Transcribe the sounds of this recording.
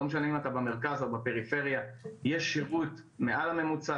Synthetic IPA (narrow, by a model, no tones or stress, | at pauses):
omeʃ̬animat̪abameʁ̞kazobape̞ʁife̞ʁjajeʃːiʁut̪me̞ʔalame̞mut͡sa